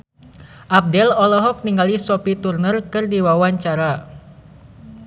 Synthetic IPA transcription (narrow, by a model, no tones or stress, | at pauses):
ʔap̚dɛlɔlɔɦɔk̚niŋɡalisɔpit̪urnərkɨrdiwawaɲt͡ʃaɾa